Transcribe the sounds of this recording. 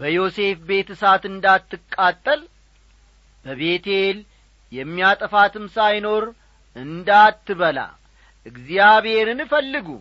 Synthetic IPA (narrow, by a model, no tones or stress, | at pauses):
bəjo̞se̞fbe̞t̪ʰsat̪ɨnd̪at̪ːɨkʼːat̪ʼːəl | bəβe̞t̪el | jɛmːiat̪ʼəfat̪ʰɨmsajno̞ɾ | ʔɨnd̪at̪ːɨβəla̰ | ʔɨɡzijaβhe̞ɾɨnɨfəlːɨɡṵ